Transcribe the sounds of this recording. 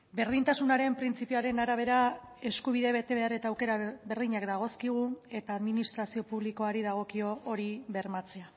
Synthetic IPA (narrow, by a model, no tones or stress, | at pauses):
be̞ɾð̞int̪asunaɾe̞mpɾint͡sipioaɾe̞naɾaβ̞e̞ɾae̞skuβ̞iðe̞βet̪e̞βe̞are̞t̪aːwke̞ɾabe̞ɾðiɲakd̪aɣ̞o̞skiɣ̞ue̞t̪aːðminist̪ɾasio̞puβliko̞aɾiðaɣ̞o̞kio̞ʔːɾiβe̞ɾmat͡se̞a